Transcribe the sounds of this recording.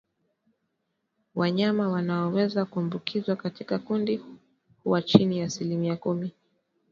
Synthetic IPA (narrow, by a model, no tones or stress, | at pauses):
waɲamawanaɔwɛzakuambukʰizwakatikakundi | huwat͡ʃinijaːsilimiakumi